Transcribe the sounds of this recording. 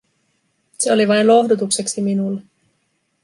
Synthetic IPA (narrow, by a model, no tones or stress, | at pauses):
se̞o̞liʋɑjnlo̞ɦdut̪ukse̞ksiminulːe